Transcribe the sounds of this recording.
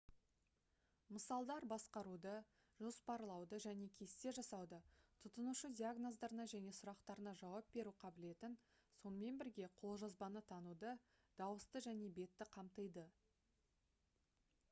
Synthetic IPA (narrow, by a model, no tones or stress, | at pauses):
məsɑlˠd̪ɑɾbɑsqɑɾud̪ə | ʒo̞spɑɾlˠɑwd̪əʒæne̞kʲʰe̞st̪e̞ʒɑsɑwd̪ət̪ʰʊt̪ənuʃəd̪ʲiaɡnozd̪ɑɾənɑʒæne̞sʊɾɑqt̪ɑɾənɑʒɑwɑp̚be̞ɾuqʰɑbɪle̞t̪ɪnso̞nəme̞nbɪɾɡʲe̞qʰo̞lˠʒɑzbɑnət̪ʰɑnud̪ə | d̪̥ɑwəst̪əʒæne̞be̞t̪ːɪqʰɑmt̪əjd̪ə